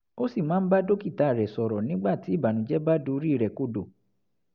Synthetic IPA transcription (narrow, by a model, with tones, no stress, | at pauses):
o˦si˦˨mãː˨˦n̩˦ba˦do˦ki˦˨ta˨ɾɛ˨sɔ˨ɾɔ˨nĩ˨˦ɡ͡ba˦˨ti˨˦˨ba˨nũ˨˦d͡ʒɛ˦ba˦do˧˦ɾi˦˨ɾɛ˨ko˦do˨